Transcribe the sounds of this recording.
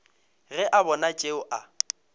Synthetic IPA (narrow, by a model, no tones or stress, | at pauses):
ɣɛʔabɔnat͡ʃʼeʊʔa